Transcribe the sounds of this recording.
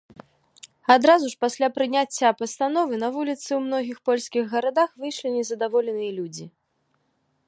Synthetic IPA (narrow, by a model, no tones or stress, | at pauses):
ad̪ɾazuʂpasʲlʲapɾɨnʲat͡sʲːapɐst̪anɔvɨnɐvulʲit̪sɨwmn̪ɔɣʲixpɔlʲskʲiɣːɐɾad̪axvɨjʂlʲinʲɛzɐd̪avɔlʲɛnɨjɐlʲud͡zʲi